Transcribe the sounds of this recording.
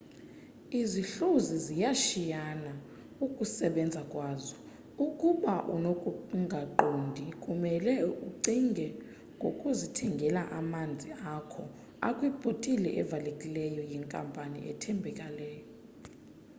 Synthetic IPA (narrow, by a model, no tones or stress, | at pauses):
iziɬuzizijaʃijana | ukʼusɛɓɛnd͡zʱakʼwaːzɔ | ukʼuɓaʔṵnokʼuŋɡʱaǃondʱikʼumɛlɛuǀiŋɡʱɛ | ŋɡʱokʼuzitʰɛŋɡʱɛlaʔamand͡zʱiakʰɔ | a̰kʼwib̥ʱotʼilɛ̰ʔɛvalekʼilɛjɔjɛŋkʼampʼanḭʔɛ̰tʰɛmbʱɛkʼalɛːjɔ